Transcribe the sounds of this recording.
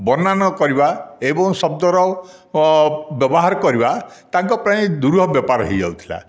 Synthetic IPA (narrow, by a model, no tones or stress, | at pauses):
bɔnanɔkɔɾibaebɔŋsɔb̚d̪ɔɾɔ | bjɔbɔɦaɾɔkɔɾibat̪aŋkɔpɾaĩd̪uɾɦɔbjɔpaɾɔɦid͡ʒawt̪ʰi̥la̰